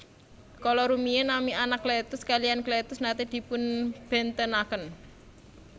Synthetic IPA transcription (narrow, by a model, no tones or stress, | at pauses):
kɔlɔɾumienamianakːlet̪ʊskalijanklet̪ʊsnat̪id̪̥i̤pʊnb̥ɛ̤nt̪ənakən